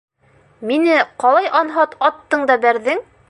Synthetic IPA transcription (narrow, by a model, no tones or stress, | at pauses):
minɘqɑlˠɑjʔɑnɦɑt̪ɒt̪ːɤɴd̪ɑbæɾðɘŋ